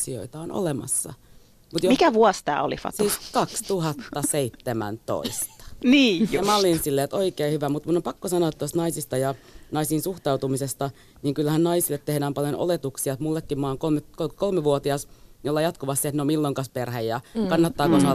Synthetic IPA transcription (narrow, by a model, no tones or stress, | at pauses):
sio̰it̪ɑono̰lemɑ̰sːɑ̰ | mut̪jomikæʋuɑst̪æ̰ːo̰lḭfɑ̰siːskɑkst̪uhɑt̪ːɑseit̪ːemæ̰nt̪o̰ist̪ɑ̥niːmæolinsilːeːt̪oikeːhyʋæmut̪munːompɑkːosɑnoːt̪t̪ːost̪nɑisist̪ɑjɑnɑisiːnsuxt̪ɑut̪umisest̪ɑ | niːŋkylːæhænnɑisilːet̪t̪ːehdæːmpɑljono̰let̪uksiɑt̪mulːekːimmɑːŋkolmet̪kokolmeʋuot̪iɑsjolːɑjɑt̪koʋɑst̪iet̪neomilːoiŋkɑsperhejjɑkɑnːɑt̪ːɑːkosɑ